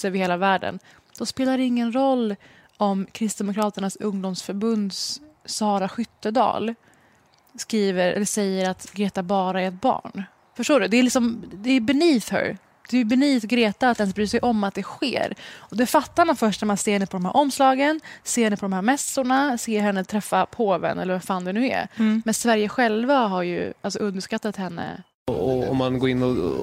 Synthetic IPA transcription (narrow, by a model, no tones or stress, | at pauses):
əvɪheːlavæːɖə̰n | d̪̥ɔspeːlaɖɛɪŋːənɾɔlː | ɔmkʰɾɪst̪̚d̪ɛmʊkʰɾɑːt̪əɳasɵŋd̪ʊmsfœɾbɵnd̪ssɑːɾaɧʏt̪ːəd̪ɑ̰ːl | skɾiːvəɾɛ̰lːəsɛjːəɾat̪ɡɾeːt̪abɑːɾaæɾɛt̪̚bɑ̰ːɳ | fœʂʈoːɖɵd̪ɛːɾlɪksɔmd̪ɛːbɛniːfhœ̰ɾ | d̪̥ɛjɵbɛniːfɡɾeːt̪aat̪d̪ɛns̬bɾyːʂɛjʔɔmːat̪̚d̪ɛɧḛːɾɔd̪ɛfat̪ːaɾmanfœʂʈnæɾmanseːhɛnːəpʰɔd̪ɔmhæ̰ɾʔɔmːslɑːɡənseːhɛnːəpʰɔd̪ɔmhæːɾmɛsʊɳaseːɦɛnːət̪ʰɾɛfːapʰoːvɛ̰nɛ̰lːəvɛfaːnd̪ɛnʉ̟ːɛ̰ɾmɛnsvæɾjəɧɛlvaɦaɾjɵ̰ʔalsɔɵnd̪əʂkat̪ːat̪hɛnːə̰ | ɔɔ̰mːanɡoːɾɪnːɔ